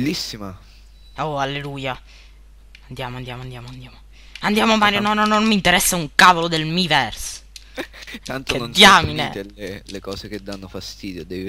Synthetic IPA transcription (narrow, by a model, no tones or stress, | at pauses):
lːisːima | oalːeluːja | and̪jaːmoand̪jaːmoand̪jaːmoand̪jaːmo | and̪jaːmoamːaːɾjonɔnɔnommːint̪eɾɛsːauŋkaːvolod̪elmivɛrs | t̪ant̪onnd̪jaminɛ̰alelekɔːseked̪ːanːofast̪iːd̪jod̪ɛːvi